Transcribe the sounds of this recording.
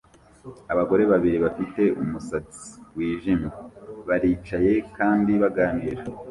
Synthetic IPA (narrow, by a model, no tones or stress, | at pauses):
aβaɡo̞ɾe̞βaβiɾiβafite̞ʔumusat͡si̥wiːʒimɡuβaɾiːt͡ʃaje̞kaːndiβaɡaːniɾa